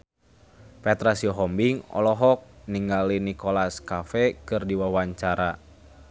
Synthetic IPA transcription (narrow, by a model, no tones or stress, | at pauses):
pɛt̪ɾasiɔɦɔmbiŋɔ̰lɔɦɔk̚niŋɡalinikɔlaskafɛkɨrdiwawaɲt͡ʃaɾa